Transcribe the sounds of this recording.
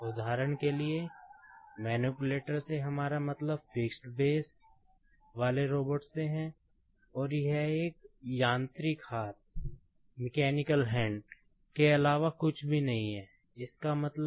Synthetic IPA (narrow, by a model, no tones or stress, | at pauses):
ʊd̪ʱaːɾəɽ̃kelie | mɛːnjuːpʊleːʈəɾseɦɐmaːɾamɐt̪ləb̚fɪksʈbeːsʈ | ʋaːleɾoːbəʈseɦɛ̃ | ɔːɾjɐɦeːk̚jãːnt̪ɾɪkhaːt̪̚ | mɪkɛːnɪkəlɦɛ̃ːɳɖ | keɐlaːʋakʊt͡ʃʰbʱinɐɦĩɦɛː | ɪskamɐt̪ləb